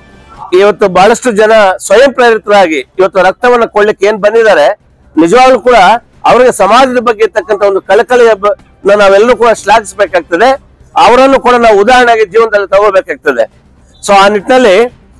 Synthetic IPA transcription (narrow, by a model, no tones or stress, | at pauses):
iʋɐt̪ːubaːɭɐʂʈud͡ʒɐnɐsʋɐjɐmpɾɐɾit̪ɾɐaːɡiːʋɐt̪ːuɾɐk̚t̪ɐʋɐnːɐkoɭlikːeeːnbɐnd̪id̪aːɾe̞ | nid͡ʒɐʋaːɡɐluːkuːɽɐ | ɐʋɐɾiɡesɐmaːd͡ʒ̪ɐd̪ɐbɐɡːeiɾt̪ɐkːɐnt̪ɐo̞nd̪ukɐɭɐkɐɭɛjɐ | nɐnaːʋɛlːɐɾuːkuːɽɐʃlaːɡisbeːkaːɡ̚t̪ɐd̪e̞ | ɐʋɐɾɐnːukuːɽɐnaːʋuːd̪aːɦɾɐɳaːɡid͡ʒiːʋɐnd̪ɐlːit̪ɐɡobɛːkaːɡ̚t̪ɐd̪e | so̞ːaːniʈinɐlːi